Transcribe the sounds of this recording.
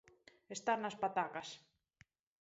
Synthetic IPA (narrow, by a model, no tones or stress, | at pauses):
est̪aɾnaspat̪akas